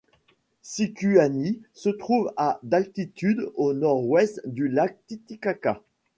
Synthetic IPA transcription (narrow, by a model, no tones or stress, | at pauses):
sikʲyanisət̪χuvad̪alt̪it̪yd̪onɔʁwɛst̪d̪ylak̚t̪it̪ikaka